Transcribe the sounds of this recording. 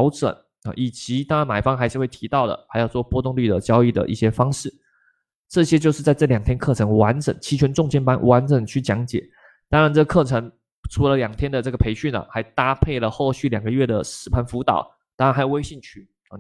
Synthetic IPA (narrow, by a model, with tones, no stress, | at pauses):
ʊʈ͡ʂə̰˨˩˦n | ə̰˨˩ʔi˨˩t͡ɕi˧˥t̪ɑ˥ŋɻa˧˦nma˨˩ɪfɑ˥ŋxa˧˥ɪʂɻ̩˥˧we˥˩ɪt̪ʰi˧˥t̪ɑ˥˩ʊd̪ə̰˩xa˧˥ɪjo˨˩ʊt͡swɔ˥˩pwɔ˥t̪ʊ˥˧ŋly˥˩d̪ə˩t͡ɕjɑ˥ʊi˥˩d̪ə̰˩ʔi˥˩ɕjɛ˥fɑ˥ŋʂɻ̩˥˩ | ʈ͡ʂɤ˥˩ɕjɛ˥t͡ɕjo˥˧ʊʂɻ̩˥˧t͡sa˥˧ɪɤ˥˩ljɑ˨˩ŋt̪ʰjɛ˥nkʰɤ˥˩ʈ͡ʂʰɤ˧˥ŋwa˧˦˥nʈ͡ʂə̰˨˩˦ŋt͡ɕʰi˧˥t͡ɕʰɥɛ˧˥nʈ͡ʂʊ˥˧ŋt͡ɕjɛ˥npa˥nwʔa˧˥nʈ͡ʂə˨˩ŋt͡ɕʰy˥˩t͡ɕjɑ˧˥ŋt͡ɕjɛ̰˨˩˦ | t̪ɑ˥ŋɻa˧˦nʈ͡ʂɤ˥˩ɡə˩kʰɤ˥˩ʈ͡ʂʰə˧˥ŋ | ʈ͡ʂʰu˧˥lə˧˦ljɑ˨˩ŋt̪ʰjɛ˥nd̪ə˨ʈ͡ʂɤ˥˩ɡə˩pʰe˧˥ɪɕy˥˩nə̰˩xa˧˥ɪt̪a˥pʰe˥˩ɪlə˩xo˥˧ʊɕy˥˩ljɑ˨˩ŋɡə˦ɥɛ˥˩d̪ə˩ʂɻ̩˥˩pʰa˧˥nfu˧˥t̪ɑ̰˨˩˦ʊ | t̪ɑ˥ŋa˧nxa˧˥jwe˥ɪɕi˥˩nt͡ɕʰy˥˩˥